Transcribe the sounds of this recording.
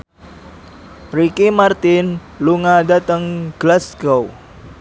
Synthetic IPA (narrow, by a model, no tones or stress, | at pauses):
rikimart̪ɪn | luŋadat̪əŋɡ̥lasɡow